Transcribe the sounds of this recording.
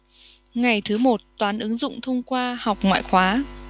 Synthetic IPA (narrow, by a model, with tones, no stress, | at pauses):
ŋa˨˩jt̪ʰɨ˨˦mo˨˩t̚t̪waː˨˦nʔɨ˨˦ŋzʊ̰˧˨ŋ͡mt̪ʰə˧wŋ͡mkwaː˧ha˨˩wk͡p̚ŋwa̰ː˧˨jxwaː˨˦